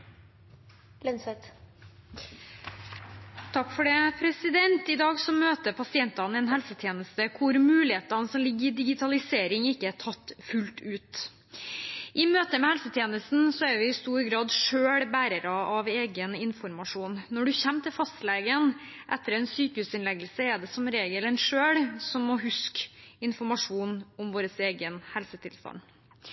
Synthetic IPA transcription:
lɛnsɛt̪ | t̪ʰɑkːfɔɖɛːpʰɾɛsɪd̪ɛnt̪ɪd̪ɑːɡsɔmøːt̪əpʰɑsɪɛnt̪ɑnɛːnɦɛlsət̪ʰjeːnəst̪əkʰʊɾmʉːlɪheːt̪ɑnəsɔmlɪɡːəɾɪd̪ɪɡɪt̪ʰɑlɪseːɾɪŋɪkːəætʰɑt̪ːfʉlt̪ʉːt̪ | ʔɪmøːt̪əmɛhɛlsət̪ʰjeːnəst̪n̩sɔæɾʋɪɪst̪uːɾɡɾɑːd̪ʂøːɽbæːɾəɾɑʔɑʋeːɡənɪnfɔɾmɑʂuːnːɔɖʉçɛmːt̪ʰɪlfɑst̪leːɡən | ʔɛt̪ːəɾɛnsyːkəhʉːsɪnlɛɡəlsəɛɖɛsɔmɾeːɡəlɛnʂøːɽsɔmːɔɦʉskɪnfɔɾmɑʂuːnɔmʋoːɾəseːɡənhɛlsət̪ʰɪlst̪ɑ̰nd̪

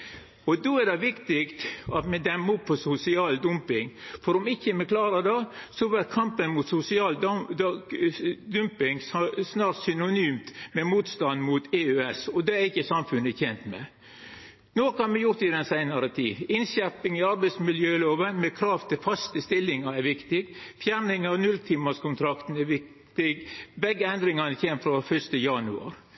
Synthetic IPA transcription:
ɔd̪oɛɾd̪ɛʋɪkt̪ɪkt̪ɑt̪mɛd̪ɛmːʊpʰːɔsʊsɪɑːld̪ʊmpɪŋfɔɾɔmɪçːəmɛkʰlɑːɾəd̪ɛsɔʋɛɾkʰɑmpənmʊt̪sʊsɪɑːl | d̪ʉmpɪŋssnɑːɾt̪sʏnʊnyːmt̪mɛmuːt̪st̪ɑnd̪mʊt̪eøɛsɔd̪ɛæɾɪçːəsɑmfʉnəçɛnt̪mɛ̰ | noːkɑnmɛjʊɾt̪ɪd̪ɛnsæɪnɑɾət̪ʰḭːʋɪnʃæɾpɪŋɪɑɾbɛɪt̪smɪljøːloːʋənmɛkʰɾɑːʋt̪ʰɪlfɑst̪əst̪ɪlːɪŋɑɾɛɾʋɪkt̪ɪɡfjæːɾnɪŋɑʋnʉlt̪ʰɪmːɑskʰʊnt̪ʰɾɑkt̪n̩ɛɾʋɪkt̪ɪɡbɛɡːəɛnd̪ɾɪŋɑnəçemfɾɑfœʂt̪əjɑnʉ̰ɑ̰ɾ

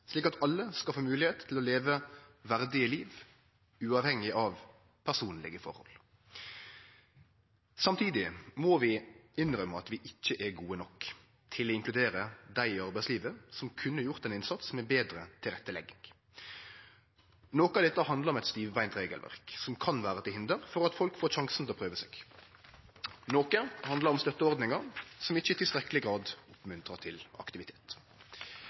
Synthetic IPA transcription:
ʂliːkɑt̪ɑlːəskɑfoːmʉːlɪheːt̪ʰːɪlɔleːʋəʋæʁd̪ɪəliːʋ | ʉːɑʋhɛŋːɪʔɑʋ | pʰæʁsuːnlɪ̰ɡəfɔ̰ɾhɔ̰l | sɑmt̪ʰiːd̪ɪmɔʋɪɪnɾœmːəɑt̪ʋɪʔɪc͡çːəʔɛɡuːənɔk | t̪ʰɪlɔɪŋklʉd̪eːɾəd̪æɪɪɑʁbæɪsliːʋəsɔmkʰʉnːəjʊʁt̪ɛnɪnsɑt̪sɔmɛbeːd̪ɾət̪ʰɪlʁɛt̪ːəlɛɡɪŋ | noːkɑd̪ɛt̪ːəɦɑnd̪lɑɾʁɔmɛt̪st̪iːʋʋæɪnt̪ɾeːɡəlʋæ̰ʁksɔmkʰɑnʋæːɾəɑt̪ʰɪhɪnd̪əʁfɔʁɑt̪fɔlkfoːʃɑŋsnʰɛlɔpʰʁøːʋəsɛːɡ̥ | noːkəhɑnd̪lɑɾɔmst̪œt̪ːəɔɾd̪nɪŋɑɾsɔmɪçːəɪt̪ɪlst̪ɾɛklɪɡɾɑːd̪ʊpmʉnt̪ɾɑt̪ʰɪlɑ̰kt̪ɪʋɪt̪ʰe̥ːt̪

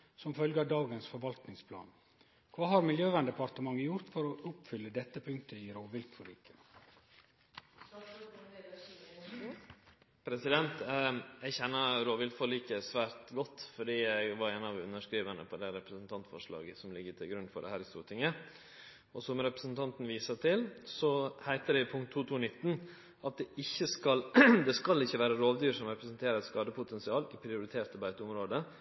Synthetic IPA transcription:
sɔmfœlɡəd̪ɑːɡənsfɔɾʋɑlt̪nɪŋspʰlɑ̰ːn | kʰʋɑːɦɑɾmɪljøːʋɑnd̪əpɑɾt̪əmɑŋːəjʊɾt̪fɔɾɔʔʊpfʏlːəd̪ɛt̪ːəpʰʉŋkt̪əɪɾoːʋɪlkfɔlḭːkə | pʰɾɛsɪd̪ɛnt̪ɛɡçɛnːəɾoːʋɪlkfɔliːkəsʋæːɾt̪ɡɔt̪ːfɔɖiːæɪɡʋɑɾeːnɑʋʉnːəʂkɾiːʋənəpʰɔd̪æɾɛpɾəsn̩t̪ʰɑnt̪fɔ̰ʂɭɑ̰ːɡəsɔmlɪɡːət̪ʰɪlɡɾʉnfɔ̰ɖɛ̰hæːɾɪst̪ṵːt̪ʰɪŋə | ɔsɔmɾɛpɾəsn̩t̪ʰɑnt̪n̩ʋiːsəʈ̪ʰɪlsɔhæɪt̪əɖɛɪpʰʊŋkt̪ʰːuːt̪ʰuːnɪt̪ːn̩ | ɑt̪̚d̪ɛɪçːəskɑld̪ɛskɑlːɪçːəʋæːɾəɾoːʋd̪yːɾʂɔmɾɛpɾəsənt̪ʰeːɾəɾɛt̪skɑːd̪əpʰʊt̪ʰɛnsɪɑːlɪpʰɾɪʊɾɪt̪ʰeːɾt̪ɑbæɪt̪əʊmɾoːd̪ə

